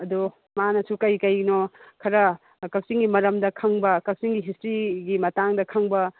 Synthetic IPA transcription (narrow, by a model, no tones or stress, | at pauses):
ɐdu | manɐsukɐjkɐjnokʰɐɾɐ | kɐk̚siŋɡimɐɾɐmdɐkʰɐŋbɐkɐk̚siŋɡiɦistɾiɡimɐtaŋdɐkʰɐŋbɐ